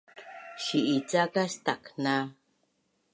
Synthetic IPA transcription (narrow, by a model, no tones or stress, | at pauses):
ʃiʔit͡sakast̪akna